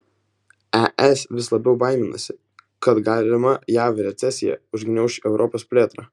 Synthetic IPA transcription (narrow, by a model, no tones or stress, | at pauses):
æʔɛsʋʲɪslˠɐbʲɛʊbɑˑɪmʲɪnɐsʲɪ | kɐt̪ɡɑːlʲɪmɐjæːʋɾʲɛt̪sʲɛsʲɪjɛ̰ʊʒʲɡʲnʲɛʊʃʲɛʊɾʔɔpoːspʲlʲeːt̪ɾɑ